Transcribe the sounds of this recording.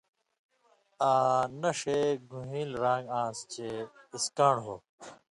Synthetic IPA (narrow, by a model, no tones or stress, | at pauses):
aːnɐʂeːɡũɦĩːlɾãːŋɡãːst͡ɕeiskãːɳɦoː